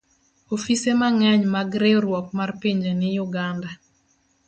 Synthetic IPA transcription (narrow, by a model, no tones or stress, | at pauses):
ofisemaŋɛɲmaɡɾeɾwɔk̚marpiɲd͡ʒenɪjʊɡanda